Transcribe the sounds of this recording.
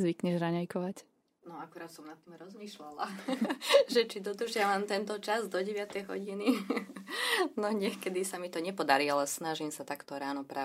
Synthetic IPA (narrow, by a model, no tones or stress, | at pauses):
zʋikɲɛʒɾaɲajkɔʋac | nɔakuɾaːt̪sɔmnat̪ːiːmɾɔzmiːʃlala | ʒɛt͡ʃid̪ɔd̪r̩ʒɪaʋamt̪ɛnt̪ɔt͡ʃazd̪ɔɟɛʋɪat̪ɛjɦɔ̰ɟini | nɔɲɛxkɛd̪isamit̪ɔɲɛpɔd̪aɾialɛsnaʒimsat̪akt̪ɔɾaːnɔpɾaː